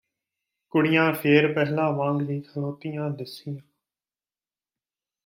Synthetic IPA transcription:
kʊɽɪjãːpʰeːɾpɛɦlãːʋãːŋɡʋiːkʰəloːt̪ɪjãːd̪ɪsɪjãː

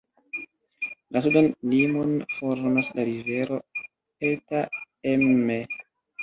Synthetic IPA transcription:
las̬udanlimonfoɾmaslaɾive̞ɾo̞ | eta | emːe

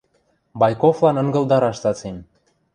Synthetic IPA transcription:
bɑjkoflɑnɤ̆ŋɡɤ̆ld̪ɑɾɑʃt̪ɑt͡sem

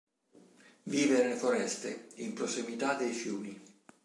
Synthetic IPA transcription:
viːveɾelefoɾɛst̪ḛimpɾosimit̪ad̪ejfjuːni

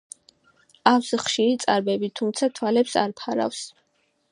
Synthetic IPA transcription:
aksχʃiɾit̪sʼaɾbɛbit̪ʰumt̪sʰat̪ʰwalɛpsa̰ɾpʰaɾa̰fs

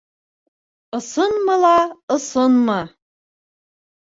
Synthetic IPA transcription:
ɤ̆sɤnmɤlɑɤ̆sɤnmɤ

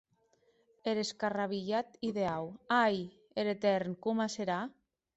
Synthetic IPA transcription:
eɾeskaraβ̞iʎat̪iðeawaj | eɾet̪eɾnkumaseɾa

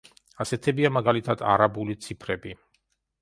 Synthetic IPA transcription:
asɛt̪ʰɛbiamaɡalit̪ʰad̪a̰ɾabulit̪sʰipʰɾɛbi

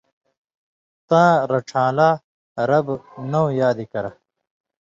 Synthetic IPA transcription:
t̪ãːɾɐʈ͡ʂʰãːlaː | ɾɐbnɐwjaːd̪ikɐɾɐ

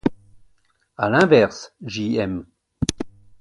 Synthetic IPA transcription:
alɛ̃vɛʁsʒiɛm

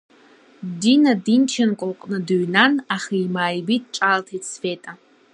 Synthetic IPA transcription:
dinadint͡ʃʰankʷʼʊlqʼnɨdɨɥnanaχaimaːjbit̚ʼʈ͡ʂʼaltʰit͡sʰfetʼa

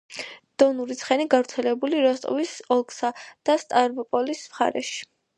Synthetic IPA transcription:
d̪̥ɔnuɾit̪sʰχɛniɡavɾt̪sʰɛlɛbuliɾɔst̪ʼɔ̰visɔlˠkʼsad̪̥ast̪ʼaɾbɔpʼɔlismχa̰ɾɛ̰ʃi̥

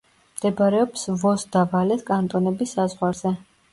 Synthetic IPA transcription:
md̪̥ɛbɾɛɔpsvɔsd̪avalɛt̪ʰkʼant̪ʼɔnɛbisːazʁwaɾz̥ɛ

